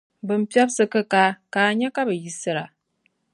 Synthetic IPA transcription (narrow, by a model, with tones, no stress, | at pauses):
bɨ˨m̩˦pja˦b̚sɨ˦kə˦ka˦kaː˨ɲɛ˦ka˦bə˨ji˦sɨ˦ɾa˨